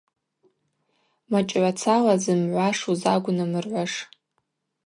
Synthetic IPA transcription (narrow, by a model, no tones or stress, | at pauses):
mat͡ʃʼʕʷat͡sʰalazɨmʕʷaʂuzaɡʷʊnɨmɨrʕʷaʂ